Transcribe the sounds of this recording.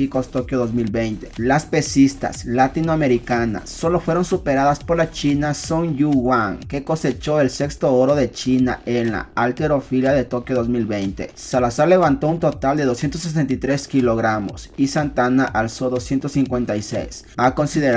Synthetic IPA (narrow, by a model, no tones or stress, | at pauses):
ikost̪o̞kjoðo̞zmilβejnt̪e̥laspe̞sist̪a̰slat̪inoame̞ɾikana̰sːo̞lo̞fwe̞ɾo̞nsupe̞ɾaðaspo̞ɾlat͡ʃinasoŋjuwaŋke̞ko̞se̞t͡ʃo̞e̞lse̞kst̪o̞oɾo̞ðet͡ʃina̰ʔenla̰alt̪eɾo̞filjaðet̪o̞kjoðo̞zmilβe̞jnt̪e̞salasaɾle̞βant̪o̞unt̪ot̪ald̪e̞ð̞osjent̪̬os̬es̬ent̪ajt̪ɾe̞skilo̞ɣɾamo̞̰sisant̪anaʔalso̞ðo̞sje̞nt̪osiŋkwe̞nt̪ajsḛjsako̞nsiðeɾ